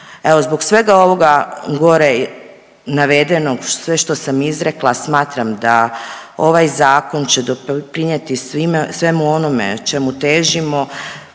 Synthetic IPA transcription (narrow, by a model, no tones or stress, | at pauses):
e̞ʋo̞zbo̞ɡsʋe̞ɡao̞ʋo̞ɡaɡo̞ɾe | naʋe̞d̪enoɡsʋeʃt̪osamizɾe̞klˠasmaːt̪ɾamd̪ao̞ʋajzaːko̞nt͡ɕed̪opɾiɲet̪isimsʋe̞muo̞nomḛt͡ʃemut̪eːʒimo̞